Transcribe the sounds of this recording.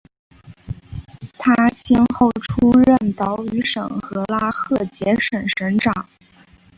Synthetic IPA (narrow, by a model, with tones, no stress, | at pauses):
t̪ʰa˥ɕɛ˥nxo˥˩ʊʈ͡ʂʰu˥ɻə˥˩nt̪ɑ˧˥ʊy˧˥ʂɤ̰˨˩ŋxɤ˧˥la˥xʰɤ˥˩t͡ɕjɛ˧˥ʂə˨˩nʂə˧˥nʈ͡ʂɑ˨˩˦ŋ